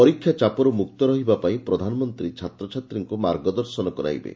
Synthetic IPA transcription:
pɔɾikʰːjat͡ʃapɔɾumuk̚t̪ɔɾɔɦibapaĩpɾɔd̪ʱanɔmɔnt̪ɾit͡ʃʰat̪ɾɔt͡ʃʰat̪ɾiŋkumaɾɡɔd̪ɔɾsɔnɔkɔɾa̰jbḛ

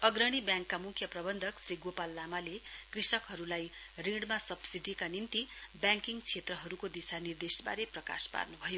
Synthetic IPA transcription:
ʌɡɾʌɽ̃ibjãŋkːamukʰjʌprʌbʌnd̪ʱʌksriɡopalːamalekrisʌkɦʌɾulaj | rĩɽmasʌbsiɖikanint̪ibjãŋkiŋt͡sʰet̪rʌɦʌɾukod̪isanird̪esba̰ɾeprʌka̰spa̰rnubʱʌjo

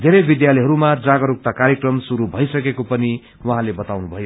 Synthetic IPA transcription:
d̪ʱeɾʌjbid̪jalʌjɦʌɾumad͡zaɡʌɾuk̚t̪akaɾjekrʌmsuɾubʱʌjsʌkekopʌni | wʌɦãlebʌt̪awnubʱʌjo

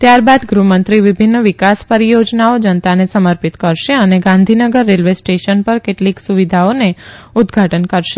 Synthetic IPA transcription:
t̪jaɾbad̪ɡɾumənt̪ɾiʋɪbʱɪnːəʋɪkaspəɾijod͡ʒnaod͡ʒənt̪anesəməɾpit̪kəɾʃeəneɡãnd̪ʱinəɡəɾːelʋesʈeʃənpəɾkeʈliksuʋid̪ʱaoneʊd̪ɡʱaʈənkəɾʃe̥

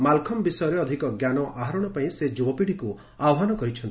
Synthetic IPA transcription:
malkʰɔmbisɔjɔɾeɔd̪ʱikɔɡjanɔʔaɦaɾɔɽ̃ɔpaĩsed͡ʒubɔpiɽ̤iku | aɔɦanɔkɔɾit͡ʃʰɔnt̪i

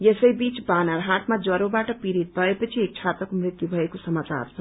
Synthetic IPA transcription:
jesəjbit͡sbanaɾɦaʈmad͡zʌɾobaʈʌpiɾit̪̚bʱʌepʌt͡sʰiek̚t͡sʰat̪ɾʌkomɾit̪jubʱʌekosʌmat͡ʃa̰rt͡sʰʌ

